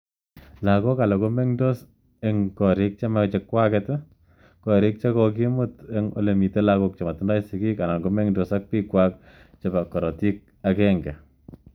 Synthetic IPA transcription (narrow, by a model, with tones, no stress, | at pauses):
lako˦ka˨la˨ko˦me˦ŋdo˦s | eŋkɔ˨ɾɪ˦k̚t͡ʃe˦mat͡ʃekːwakɛt | kɔɾɪ˦k̚t͡ʃakɔk̬i˦muteŋo̰le˨mi˨te˦lakok̚t͡ʃe˨ma˨tunda˦jsiki˦ka˨na˨ŋɡo˦me˦ŋdosak̚pikwak̚ | t͡ʃe˨ba˨kːɔ˨ɾɔ˨tik̚ | akɛŋɡɛ˨